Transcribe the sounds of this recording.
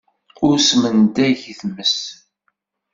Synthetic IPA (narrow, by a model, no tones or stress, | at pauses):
ʊɾsmənd̪æʝiθməs